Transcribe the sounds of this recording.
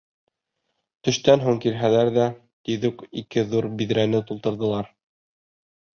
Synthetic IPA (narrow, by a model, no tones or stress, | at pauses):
t̪ɵ̆ʃt̪ænɦuŋkiɾɦælæɾðæ | t̪iðʉkikɘðuɾbiðɾænɘt̪ulˠt̪ɤ̆ɾðɤ̆lˠɑɾ